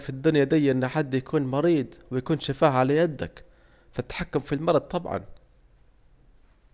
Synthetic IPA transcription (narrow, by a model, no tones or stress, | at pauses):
fid̪ːʊnjad̪ijʔʔɪnːaħad̪ːjakʰuːnmɑɾiːd̪ˤwɪjakuːnʃafaːhʕalajad̪ːa̰k | fat̪ːḁħakːamfilmɑɾˤɑd̪̚t̪ˤɑbʕɑ̰n